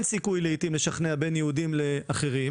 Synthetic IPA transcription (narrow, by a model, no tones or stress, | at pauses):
nsikujleit̪imle̞ʃaχneabenjeudimle̞ʔaχe̞ʁi